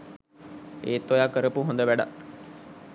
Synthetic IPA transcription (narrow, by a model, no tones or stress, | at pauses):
ḛːt̪ːojakəɾəpuɦond̪əʋæɖa̰t̪